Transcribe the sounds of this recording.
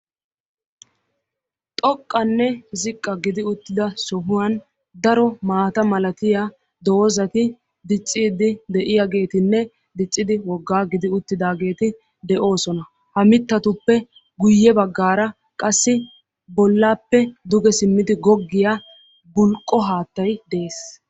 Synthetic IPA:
t̪ʼɔkʼːɐnːɛzɪkʼːɐɡɪd̪ɪʊt̪ːɪd̪ɐsɔɦʊwɐn | d̪ɐɾɔmaːt̪ɐmɐlɐt̪ɪja | d̪oːzɐt̪ɪ | d̪ɪt͡sʼːiːd̪ɪd̪ɛʔɪjaɡe̞ːt̪ɪnːɛ | d̪ɪt͡sʼːɪd̪ɪwɔɡːaːɡɪd̪ɪʊt̪ːɪd̪aːɡe̞ːt̪ɪ | d̪ɛʔo̞ːsɔnɐ | hɐmɪt̪ːɐt̪ʊpːɛ | ɡʊjːɛbɐɡːaːɾɐ | kʼɐsːɪ | bɔlːaːpːɛd̪ʊɡɛsɪmːɪd̪ɪɡɔɡːɪja | bʊlkʼːɔɦaːt̪ːɐjd̪ɛʔeːs

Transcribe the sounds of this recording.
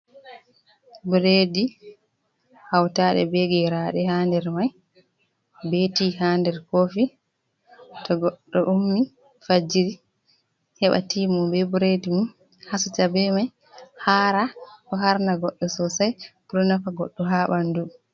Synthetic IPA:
buɾedi | hawtaɗɛ̰bɛɡɛɾaɗɛhaːndɛɾmaj | betiːhaːndɛɾkoːfi | tɔɡɔɗːɔʔumːi | fad͡ʒiɾi | hɛɓa̰tiːmumbɛbuɾedimum | hasut͡ʃabɛmaj | haɾakɔɦaɾnaɡɔɗːɔsɔsajbuɾɔnafaɡɔɗːɔɦaːɓandu

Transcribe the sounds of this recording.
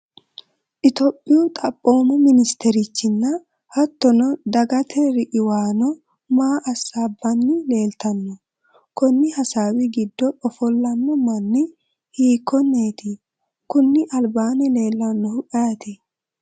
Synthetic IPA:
ʔɪt̪ɔpʼːɪjut̪ʼɐpʼːo̞ːmɔmɪnɪst̪ɛɾɪt͡ʃːɪnːɐ | hɐt̪ːɔnɔd̪ɐɡɐt̪ʰɛɾɪʔɪwaːnɔ | maːʔɐsaːbːɐnːɪle̞ːlt̪ɐnːɔ | kɔnːɪhɐsaːwɪɡɪd̪ːɔʔɔfɔlːɐnːɔmɐnːɪ | hiːkːɔnːeːt̪ɪ | kʊnːɪʔɐlbaːnɛle̞ːlːɐnːɔhʊʔʼɐɐt̪ɪ

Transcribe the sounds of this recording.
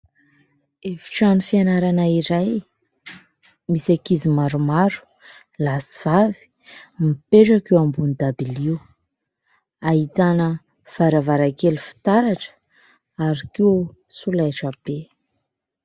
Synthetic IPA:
efi̥ʈ͡ʂanufianaɾanaiɾaj | misakizimaɾumaɾu̥ | lasi̥v̥avi̥ | mipeʈ͡ʂakewambunid̪abiliw | aɦit̪anə | v̥aɾavaɾakelufi̥t̪aɾaʈ͡ʂə̥ | aɾikiw | sulaʈ͡ʂabe

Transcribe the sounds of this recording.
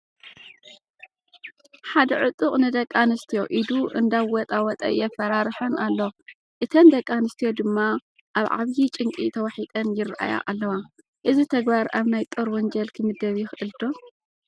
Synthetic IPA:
ħad̪ɐʕʊt̪ʼːɨqʼnɨd̪ɐkʼːanɨst̪ʰijo̞ʔid̪uʔɨ̰nd̪aβwɔt̪ʼawɔt̪ʼɐ̰jɛfɐɾaɾħɐnalːo | ʔɨt̪ʰɐnd̪ɐkʼːanɨst̪ʰijo̞d̪ɨmːa | ʔaβʕa̰βjit͡ʃʼɨŋkʼit̪ʰɐwɐħit̪ʼɐnjɪrʔa̰ja̰ʔa̰lːɐwa | ʔɨzit̪ʰɐɡbaɾaβnajt̪ʼoɾwɔnd͡ʒɐlkʰɨmɨd̪ɐβjɪxɨʔɨld̪o̞

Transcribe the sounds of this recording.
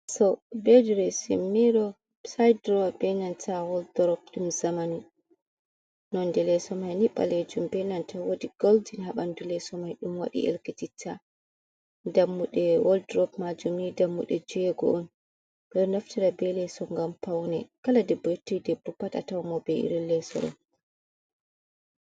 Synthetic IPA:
sɔbed͡ʒuɾɛsimːiɾɔ | sajdɾɔbɛnantʰawɔldɾɔp̚ɗumzamani | nɔndɛlɛsɔmajniɓːa̰led͡ʒumbɛnantʰawodiɡ̥oldinɦaɓandulɛsɔmajɗumwa̰ɗḭʔḛlkititʰːa | damːuɗɛwɔldɾɔpmad͡ʒumnidamːṵɗɛd͡ʒujɛɡɔ̰ʔɔn | ɗɔnaftiɾabɛlɛsɔŋɡampawnɛkaladɛbɔjetːijdɛbːɔpata̰tawamɔbɛḭɾilɛsɔ̰ɾɔ̰

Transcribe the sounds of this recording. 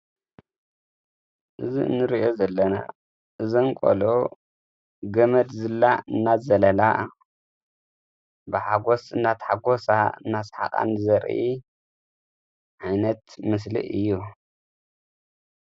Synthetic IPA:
ʔɨziɨ̰nːɨɾiʔo̞zɐlːɐna̰ | ʔɨziŋkʼo̰lo | ɡɐmɐd̪zɨlːaɨnːazɐlɐla | bɨħaɡo̞sɨnːat̪ħaɡo̞saɨ̰nːasħa̰χʼa̰nɨzɐɾʔi | ʕajnɐt̪mɨs̬lḭʔɨ̰jːu

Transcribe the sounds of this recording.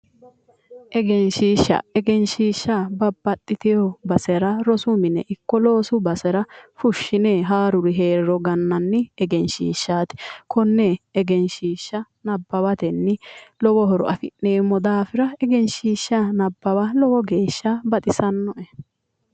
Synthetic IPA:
ʔɛɡɛnʃiːʃːɐ̰ɛɡɛnʃiːʃːabɐbːɐt̪ʼːɪt̪ɪjɔbɐsɛɾɐɾɔsʊmɪnɛʔɪkːɔlo̞ːsʊbɐsɛɾɐfʊʃːɪneːɦaːɾʊɾɪɦe̞ːɾɾɔɡɐnːɐnːɪɛɡɛnʃḭːʃːaːt̪ɪ̥kʰɔnːɛːɡɛnʃiːʃːɐ | nɐbːɐbɐt̪ɛnːɪlɔwɔɦɔɾɔ̰ʔɐfɪnːeːmːɔd̪aːfɪɾɐɛɡɛnʃiːʃːɐnɐbːɐbɐlɔwɔɡe̞ːʃːabɐt̪ʼɪsɐnːɔʔɛ

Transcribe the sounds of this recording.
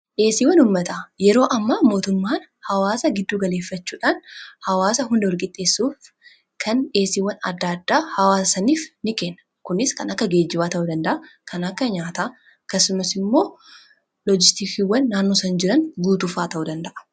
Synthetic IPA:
ᶑe̞ːsiːwɐnʊːmːɐt̪ɐjɛɾo̞ːʔɐmːaːmo̞ːt̪ʊmːaːn | hɐwaːsɐɡɪd̪ːuːɡɐle̞ːfːɐt͡ʃːuːᶑaːnhɐwaːsɐɦʊnd̪ɐɔɾkʼɪt̪ʼːe̞ːsːuːf | kʰɐnᶑe̞ːsiwɐnɐ̰d̪ːaːd̪ːaːhɐwaːsɐsɐniːfnɪke̞ːnːɐ̥ | kʊnɪskɐnɐkːɐɡe̞ːd͡ʒːɪbaːt̪ɐʔud̪ɐnd̪ɐʔɐkʰɐnɐkːɐɲaːt̪ɐ | ɐkːɐsʊmɐsɪmːo̞ː | lod͡ʒɪst̪ikiwːɐnːaːnːoːsɐnd͡ʒɪɾɐnɡuːt̪ʊfaːt̪ɐʔud̪ɐnd̪ɐʔɐ̥

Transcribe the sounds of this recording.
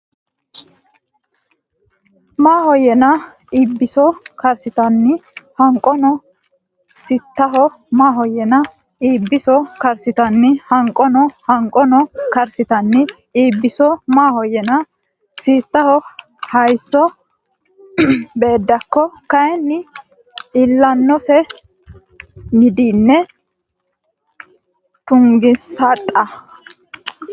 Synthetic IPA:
maːhɔjɛnɐ | iːbːɪsɔkɐɾsɪt̪ɐnːɪhɐŋkʼːɔnɔ | sɪt̪ːɐɦɔ | maːɦɔjɛnɐ | iːbːɪsɔkɐɾsɪt̪ɐnːɪhɐŋkʼːɔnɔhɐŋkʼɔnɔkɐɾsɪt̪ɐnːɪ | iːbːɪsɔmaːhɔjɛnɐ | siːt̪ːɐhɔ | hɐjsːɔ | be̞ːd̪ːɐkːɔkɐjɛnːɪ | ɪlːɐnːɔsɛ | nɪd̪iːnːɛ | t̪ʊŋɡɪsat̪ʼːɐ

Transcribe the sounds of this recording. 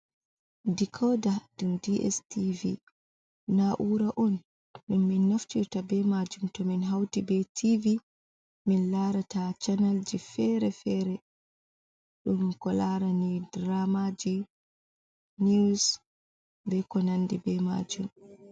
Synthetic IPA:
dikʰɔdadumdiʔɛ̰stivḭ | naʔuɾaʔɔn | ɗunminːaftiɾtabɛmad͡ʒumtɔminɦawtibɛtʰivi | minlaɾatat͡ʃanald͡ʒifɛɾɛfɛːɾɛ | ɗumkɔlaɾanidɾamad͡ʒi | nis | bɛkɔnandibɛma̰d͡ʒum

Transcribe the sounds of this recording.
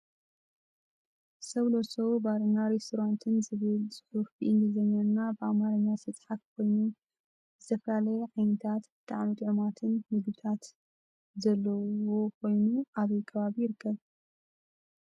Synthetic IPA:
sɐwlosobaɾɨnaɾest̪ʰoɾant̪ʰɨnzɨβɨlsʼɨħufbiʔɨnd̪ɨzɐɲːɐɾnabɨʔamaɾɐɲːasɨt͡sʼħat̪kʰo̞jnu | bɨt̪ʰɐfɐlalɐjʕajnɨt̪ʰat̪t̪ʰʼaʕnut̪ʼʕmat̪ʰɨnːɨɡbɨt̪ʰat̪ | zɐlːɐwo̞kʰo̞jnuaβɐjkʰɐβaβijɪɾɨkʰːɐβ

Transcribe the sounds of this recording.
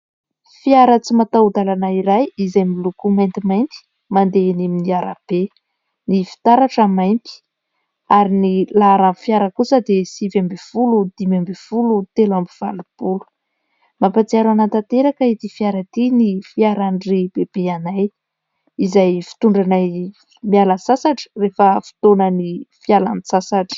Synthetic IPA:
fiaɾət͡simat̪aud̪alanaiɾajizajmilukumajnt̪imajnt̪i̥ | mand̪eniminiaɾa̰b̥e | nifi̥t̪aɾaʈ͡ʂəmajt̪i̥ | aɾinilaɾamfiaɾəkusəd̪esivambefulud̪̥imambefulut̪elambiv̥a̰lupulu̥ | mapat͡siaɾanat̪at̪eɾakəit̪ifiaɾat̪inifiaɾaɳɖ͡ʐib̥eb̥eanaj | izajfi̥t̪uɳɖ͡ʐanaj | mialəsasaʈ͡ʂə̥refəfi̥t̪onənifialanisasaʈ͡ʂə̥

